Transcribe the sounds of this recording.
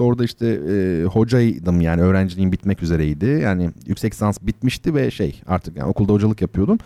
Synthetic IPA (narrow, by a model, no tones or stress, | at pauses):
o̞ɾd̪aiʃt̪ʰɛːho̞d͡ʒajd̪ɯmjaːnɪø̞ːɾænd͡ʒlʲiinbit̪mɛcyze̞ɾɛjd̪ɪjaːnɪjy̰csɛcsansbit̪miʃt̪ɪvɛʃḛja̰ɾt̪ʰɯ̥kja̰n̰o̞kʰulˠd̪aho̞d͡ʒalˠɯkjapʰɯjo̞d̪um